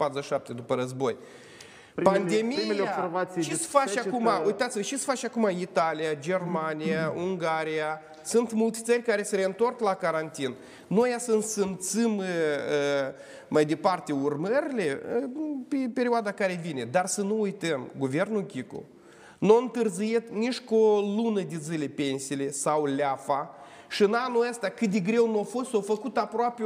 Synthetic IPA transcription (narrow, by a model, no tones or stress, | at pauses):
pat̪ɾzəʃʃap̚t̪e̞d̪upəɾəzbo̞j | pand̪emiimejoaservat̪siʃisfaakumaujt̪at̪sʲiməʃisə̥fat͡ʃʲakumait̪alijad͡ʒe̞rmanijauŋɡaɾija | sunt̪mult̪ʲe̥t̪sərʲkaɾe̞seɾe̞ɨnt̪o̞rklakaɾant̪in | no̞jasənsɨmt̪sɨmə | majd̪e̞part̪e̞urməɾile̞ | pepe̞ɾʲioad̪akaɾe̞vine̞d̪arsənuujt̪əmɡuve̞rnukʲiko̰ | nuoɨnt̪ɨrzijet̪nit͡ʃkolunəd̪ezɨlʲepe̞nsijle̞sawlʲeafa | ʃiɨnanuəst̪eakɨt̪̚d̪eɡɾe̞wnuafo̞st̪owfəkut̪apɾoape